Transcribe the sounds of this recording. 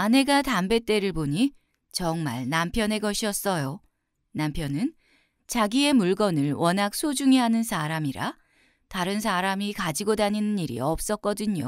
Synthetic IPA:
ane̞ɡatambe̞t͈e̞ɾɯɭboɲi | t͡ɕʌŋmaɭnampʰjʌne̞ɡʌɕʰiʌs͈ʌjo | nampʰjʌnɯn | t͡ɕaɡie̞muɭɡʌnɯɭwʌnɦak̚s͈ʰod͡ʑuŋiɦanɯnsʰaɾamiɾa̰ | taɾɯns̬ʰaɾamikad͡ʑiɡodaɲinɯniɾḭʌp̚s͈ʌk͈̚ʌdɯɲo̰

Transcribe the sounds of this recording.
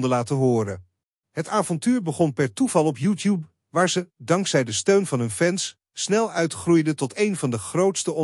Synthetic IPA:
dəɹlaːtəɦʊːɾə | ɦətaːvɔntyːɹbəχɔnpɛɹtuv̥ɑlˠɔpjuːtjup | ʋaːɹzədɑŋksɛjdəstøɥnvɑnɦɵnvɛns | snɛlˠœɥtχrujdətɔtejnvɑndəχrowtstəɔ

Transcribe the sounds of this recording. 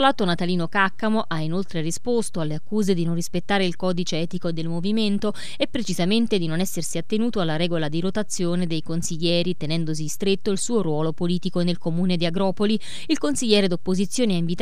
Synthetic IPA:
laːt̪onat̪aliːnokakːamoʔainolt̪ɾerispost̪oalːeakːuːzed̪inonrispet̪ːaːɾeilkɔːd̪it͡ʃeɛːt̪ikoed̪elmoviment̪o | epːɾet͡ʃizament̪ed̪inonɛsːersiat̪ːenuːt̪oalːaɾɛːɡolad̪iɾot̪at̪sːjoːned̪ejkonsiʎːɛːɾit̪enɛnd̪os̬ist̪ɾet̪ːoilsuːoɾwɔːlopoliːt̪ikonelkomuːned̪iaɡɾɔːpoli | ilkonsiʎːɛːɾed̪opːozit̪sːjoːneaiɱvit̪

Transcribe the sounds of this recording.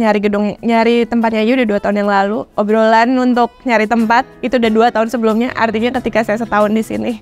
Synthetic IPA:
ɲaɾiɡədʊŋɲaɾit̪əmpat̪̚ɲaijudaduat̪aʊnjaŋlaluobɾolanunt̪ʊk̚ɲaɾit̪əmpat̪̚it̪udaduat̪aʊnsəbəlumɲaʔa̰rt̪iɲakət̪ikasajas̬ət̪aʊndisḭni

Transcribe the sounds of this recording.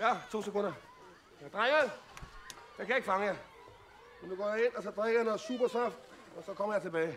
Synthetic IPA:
jæt͡sʰo̝̰ːsekʰo̽n̰d̥ɐ | jɑd̥ʁaŋɐð | j̥akʰæje̝ɡ̥fɑ̈ŋəjɑ | mend̥uɡ̥ɒ̰ːjɑ̈e̝n̰ɒsɒ̽d̥ʁaɡ̥ɐjanɔð̩ˠsuːb̥ɐsɒfd̥ | ɒ̽sɒ̽kʰɒ̽mɐjɑ̈ɪt͡sʰe̝b̥ɛːɪ

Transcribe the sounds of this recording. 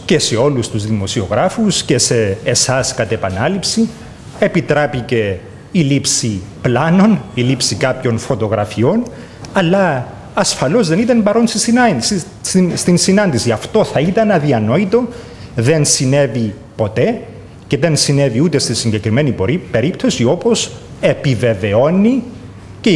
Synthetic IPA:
ce̞se̞o̞lust̪uzðimo̞sio̞ɣɾɐfusce̞se̞ːsɐskɐt̪epɐnɐlipsi | epit̪ɾepice̞ | ilipsiplɐno̞nilipsikɐpço̞nfo̞t̪o̞ɣɾɐfio̞n | ɐlːɐː | sfɐlo̞zðe̞nit̪ɐnpɐɾo̞nsi | st̪insinɐnd̪isiɐft̪o̞θɐit̪ɐnɐðiɐno̞it̪o̞ | ðe̞nsine̞vi | po̞t̪e̞ | ce̞ðe̞nsine̞viut̪e̞st̪isiɲɟe̞kɾime̞nipoɾipe̞ɾip̚t̪o̞sio̞po̞se̞pive̞ve̞o̞ni | ce

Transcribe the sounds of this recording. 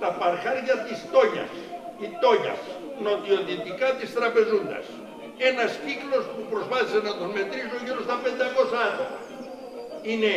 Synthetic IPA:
t̪apaɾxaɾɣat̪ist̪oɲa̰s | it̪oɲa̰s | not̪jot̪it̪ikat̪ist̪ɾapezuna̰s | enasiklospupɾosβassenat̪omet̪ɾiznoʝolost̪aped̪aɣosaðo | ine

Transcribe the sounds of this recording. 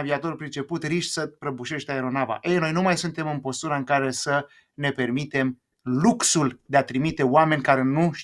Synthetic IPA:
viat̪o̞ɾulpɾit͡ʃe̞put̪riʃʲsəpɾəbuʃe̞ʃt̪eaeɾo̞nava̰ʔejno̞jnumajsunt̪e̞mɨmpo̞st̪uɾaɨŋkaɾe̞sə | ne̞pe̞rmit̪e̞m | luksuld̪eat̪ɾimit̪e̞oame̞nʲkaɾe̞nuʃ

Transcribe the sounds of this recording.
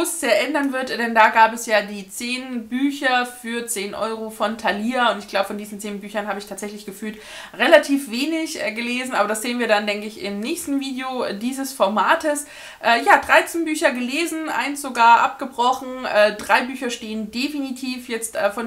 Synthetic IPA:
ʊsz̥eːɐʔɛndɐnvɪɐtd̥ɛndaːɡaːpɛsjaːdiːt͡seːnbyːçɐfyːɐt͡seːnʔɔ̰ʏʁofɔntʰaliːaʊntɪçɡ̥laʊbəfɔndiːzn̩t͡seːnbyːçɐnhaːbəɪçtʰaːtz̥ɛçlɪçɡ̥əfyːlt | ʁelatʰiːfv̥eːnɪçʔɛɡəleːzn̩ʔaːbɐdasz̥eːənviːɐdandɛŋkəɪçɪ̰mnɛːçstn̩viːdeodiːzəsfɔɐmaːtəs | ʔɛːjaːdʁaɪt͡senbyːçɐɡəleːzn̩ʔa̰ɪnstz̥oɡaːɐʔa̰p̚ɡ̥əbʁɔxn̩ʔɛːdʁaɪbyːçɐʃteːəndefinitʰiːfjɛt͡stʔɛːfɔn

